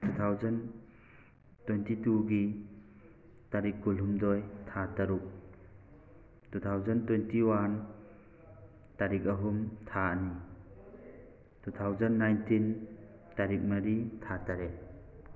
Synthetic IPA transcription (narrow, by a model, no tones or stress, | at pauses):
tʰut̪ʰawzɔn | twentituɡi | taɾikːulɦumdɔjtʰataɾuk̚ | tut̪ʰawzɔntwentiwan | taɾik̬̚aɦumtʰaani | tʰut̪ʰawzanːajntʰin | taɾik̚mɐɾitʰataɾe